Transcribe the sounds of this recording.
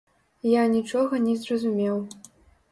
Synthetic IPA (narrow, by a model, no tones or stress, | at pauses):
janʲit͡ʂɔɣɐnʲɛzrɐzumʲɛw